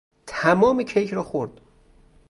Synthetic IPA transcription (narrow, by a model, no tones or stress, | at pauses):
t̪ʰæmɒːmecʰejcʰɾɒːxoɾd̪̥